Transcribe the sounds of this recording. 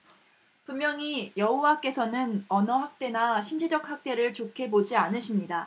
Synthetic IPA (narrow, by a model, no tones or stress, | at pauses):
pummːjʌŋijʌɦowak͈e̞sʰʌnɯnʌnʌhak̚t͈e̞naɕʰind͡ʑid͡ʑʌk̚hak̚t͈e̞ɾɯɭt͡ɕokʰe̞bod͡ʑianɯɕʰimɲida